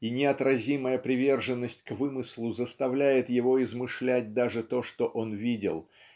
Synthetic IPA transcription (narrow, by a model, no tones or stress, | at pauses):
inʲɪɐt̪ɾɐzʲiməjəpɾʲɪvʲe̞rʐɨnːəsʲtʲkvɨmɨsʲlˠʊzəst̪ɐvlʲæjɪt̪jɪvo̞ɪzmɨʂlʲæt̚ʲd̪aʐɨt̪o̞ʂt̪o̞ʔo̞nvʲidʲɪ̰lˠ